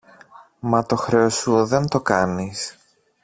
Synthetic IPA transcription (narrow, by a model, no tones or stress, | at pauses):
mɐt̪o̞xɾe̞osuðe̞nt̪o̞kɐnis